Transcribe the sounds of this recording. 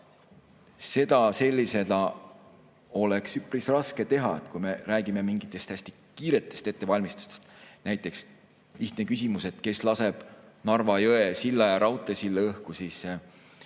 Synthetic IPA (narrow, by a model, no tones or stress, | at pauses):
se̞d̪̥ɑse̞lʲːise̞d̪̥ɑ | o̞le̞ksypːrisrɑske̞t̪e̞ɦɑet̪kujme̞ræːɡ̥ime̞miŋɡit̪ːˑe̞st̪æsʲt̪i | kiːɾe̞t̪ːˑe̞st̪e̞t̪ːevɑlʲmist̪u̥st̪est̪næjt̪ːˑe̞ks | liht̪nekysʲimuse̞t̪ke̞slɑse̞b̥nɑrvɑjɤesilːɑjɑɾɑwt̪ːˑesilːeɤhkusiːs